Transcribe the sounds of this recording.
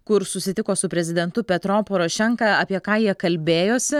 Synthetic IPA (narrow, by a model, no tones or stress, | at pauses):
kʊɾsʊsʲɪt̪ʲɪkoːsʊpʲɾʲɛzʲɪd̪ʲɛnt̪ʊpʲɛt̪ɾoːpoːɾoʃʲɛŋkɑɑːpʲiɛkɑːjiɛkɐlʲbʲeːjoːsʲɪ